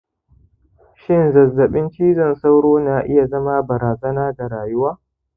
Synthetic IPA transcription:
ʃɪ˦nzɐ˨zːɐ˨ɓɪ˦nt͡ʃiː˦zɐ˨nsa˦wɽoː˦naː˨ʔɪ˦ja˨zɐ˦ma˦bɐ˨ɾaː˨zɐ˦naː˦da˨ɾaː˨jʊ˦waː˦

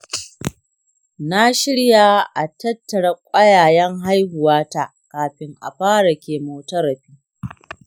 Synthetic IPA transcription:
na˦ʃɪ˦ɽjaː˦˨ʔa˨tɐ˦tːɐ˨ɽɐ˦kʷʼɐ˦jaː˨jɛ˦ŋɦa˦jhʊ˨waː˦ta˦ | kaː˨ɸɪ˦ŋʔa̰˨ɸaː˦ɽɐ˨kʲeː˨moː˨tɐ˦ɾɐ˨ɸiː˦

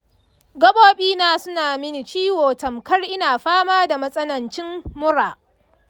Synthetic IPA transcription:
ɡɐ˦boː˦ɓiː˦naː˦sʊ˦naː˨mɪ˦ni˨t͡ʃiː˦woː˨tɐ˨mkɐ˦rʔɪ˦naː˨ɸaː˦maː˦da˨mɐ˦sʼɐ˦nɐ˨nt͡ʃɪ˦mːʊ˦ɾaː˨

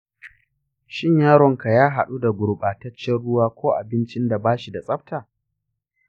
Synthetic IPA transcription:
ʃɪ˦ɲjaː˦ɾɔ˨ŋka˨jaː˦ɦa˨ɗu˦da˨ɡʷʊ˨ɽɓaː˨tɐ˦t͡ʃːɛ˦nɽʊ˦waː˦kʷoː˦ʔa˨bɪ˦nt͡ʃɪ˦nda˨baː˦ʃi˨da˨sʼɐ˦ɸtaː˨

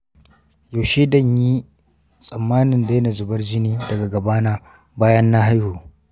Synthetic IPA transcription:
joː˨ʃe˦dɐ˦ɲji˦ | sʼɐ˨mːaː˦nɪ˨nda˨˦nɐ˨zʊ˨bɐ˦rd͡ʒɪ˦niː˦dɐ˨ɡa˨ɡɐ˨baː˦na˦ | baː˦jɐ˦nːa˦ɦa˦jhuː˨

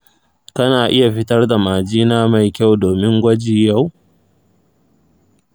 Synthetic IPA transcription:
kɐ˦naː˨ʔɪ˦ja˨ɸɪ˦tɐ˦rda˨maː˨d͡ʒiː˦naː˦ma˨jkʲa˦˨wdoː˨mɪ˦ŋɡʷɐ˦d͡ʒiː˨ja˦˨w

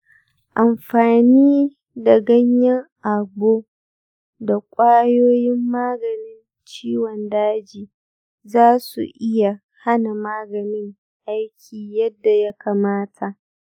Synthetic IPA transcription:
ʔa˨mɸaː˨niː˦ | da˨ɡɐ˦ɲjɐ˦ŋʔa˨boː˦ | da˨kʷʼaː˦joː˦jɪ˦mːaː˦ɡɐ˨nɪ˦n | t͡ʃiː˦wɔ˨ndaː˦d͡ʒiː˨ | zaː˦sṵ˨ʔɪ˦ja˨ | ha˦na˨maː˦ɡɐ˨nɪ˦ŋ | ʔa˦jkʲʰiː˨jɐ˦dːa˨ja˦ka˨maː˦tʰa˨ʔ

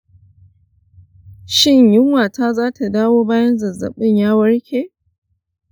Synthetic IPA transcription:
ʃɪ˦ɲjɪ˦ŋwaː˨tʰaː˦zaː˦tʰa˨daː˦woː˦baː˦jɐ˦nzɐ˨zɐ̰˨ɓɪ˦ɲjaː˦wɐ˦ɽkʲeː˨

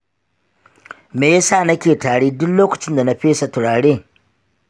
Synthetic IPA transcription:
meː˨ja˦saː˦˨nɐ˦kʲeː˨taː˨ɽeː˦dʊ˦kloː˦kɐ˨t͡ʃɪ˦nda˨na˦ɸeː˦sa˨tʊ˨ɽaː˨ɽeː˦

